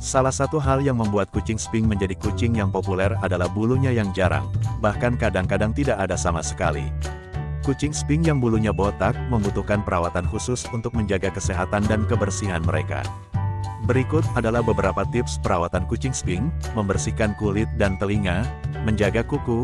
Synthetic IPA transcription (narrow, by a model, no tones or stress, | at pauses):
salahsat̪uɦaljaŋməmbuat̪̚kut͡ʃɪŋspɪŋməɲd͡ʒadikut͡ʃɪŋjaŋpopulɛradalahbuluɲajaŋd͡ʒaɾa̰ŋbahkankadaŋkadaŋt̪idaʔadasamasə̥ka̰lḭ | kut͡ʃɪŋspɪŋjaŋbuluɲabot̪ak̚məmbut̪uhkanpəɾawat̪anhusʊsunt̪ʊk̚məɲd͡ʒaɡakəseɦat̪andankəbərsiɦanməɾḛka̰ | bəɾikʊt̪̚adalahbəbəɾapat̪ɪpspəɾawat̪ankut͡ʃɪŋspɪŋməmbərsikankulɪt̪̚dant̪əliŋaməɲd͡ʒaɡakuku